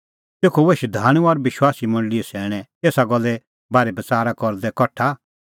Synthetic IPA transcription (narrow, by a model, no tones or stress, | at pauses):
t̪eːkʰɔʋeʃd̪ʱaːɽ̃ũɔɾʋɪʃwaːsimɐ̃nɖliɛsɛːɽ̃ɛ̃eːsaɡɔlːɛ | baːɾɛbɐt͡saːɾakɔɾd̪ɛkɔʈʰa